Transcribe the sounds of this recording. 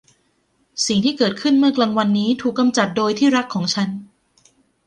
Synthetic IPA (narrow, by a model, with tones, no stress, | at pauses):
si˨˩ŋt̪ʰiː˥˩kɤː˨˩t̪̚kʰɯ˥˩nmɯ˥˩ɐklaː˧ŋwa˧nːiː˦˥t̪ʰuː˨˩kːa˧mt͡ɕa˨˩t̪̚doː˧jt̪ʰiː˥˩ɾa˦˥kʰːɔː˩˦ŋt͡ɕʰa˦˥n